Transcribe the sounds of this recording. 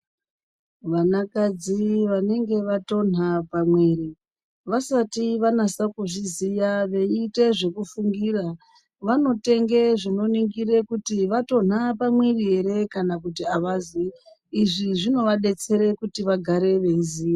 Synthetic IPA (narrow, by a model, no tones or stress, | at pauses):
ʋanakad͡ziʋane̞ŋɡe̞ʋato̞n̤apamweri | ʋasatiʋanasakuʐizijaʋe̞ite̞ʐe̞kufuŋɡiːra | ʋano̞te̞ŋɡe̞ʐino̞niŋɡire̞kutiʋato̞n̤apamweriɦe̞ɾe̞kanakutiaʋaziː | ʐiʐino̞ʋaɗe̞t͡se̞ɾe̞kutiʋaɡʱaɾe̞ʋe̞iziːja